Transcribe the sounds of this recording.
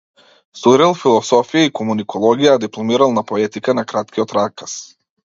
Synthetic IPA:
suɾɛlˠfilˠɔsɔfijaikɔmunikʰɔlˠɔɡijad̪iplˠɔmiɾalˠnapɔɛt̪ikanakɾat̪kʲiɔt̪ɾakas

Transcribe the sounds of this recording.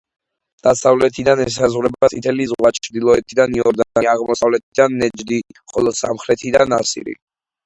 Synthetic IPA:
d̪̥asavlɛt̪ʰid̪anɛs̬azʁwɾɛbat̪sʼit̪ʰɛlizʁwat͡ʃʰɾd̪ilˠɔɛt̪ʰid̪aniɔɾd̪aaʁmɔsavlɛt̪ʰid̪anːɛd͡ʒd̪iχɔlˠɔsa̰mχɾɛt̪ʰid̪anasḭɾḭ

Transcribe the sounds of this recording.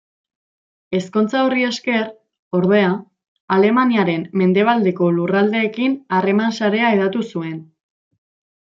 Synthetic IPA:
e̞sko̞nt͡saurie̞ske̞r | o̞ɾðe̞a | ale̞maniaɾe̞mːe̞nd̪e̞β̞ald̪e̞ko̞lurald̪e̞ːkinare̞mansaɾe̞ae̞ð̞at̪usue̞n

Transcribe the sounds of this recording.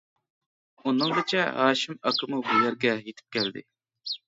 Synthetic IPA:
unːɨŋɡ̪et͡ʃʰɛɦɑːʃimɑkʰɨmubujɛɾɡʲɛjet̪ʰɪ̥p̚kʲʰæld̪ɪ̰

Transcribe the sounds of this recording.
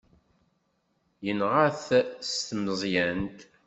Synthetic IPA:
jənʁaθst̪mzˤjænt̪

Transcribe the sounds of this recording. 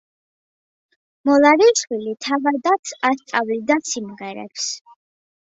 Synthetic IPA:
mɔlˠaɾiʃwilit̪ʰavad̪at̪sʰast̪ʼavlid̪asimʁɛɾɛ̰ps

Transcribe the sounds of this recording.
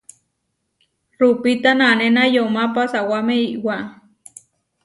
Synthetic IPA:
rupit̪ananenajomapasawameiʔwaʔ

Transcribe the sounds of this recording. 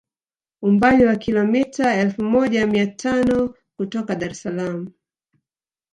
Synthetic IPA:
umbaliwakilɔmitaɛlfumɔʄamiatʰanɔ | kutɔkaɗaɾɛsalamu

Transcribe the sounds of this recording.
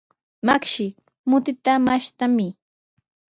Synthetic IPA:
makʃɪ | mʊt̪ɪt̪amaʃt̪amɪ

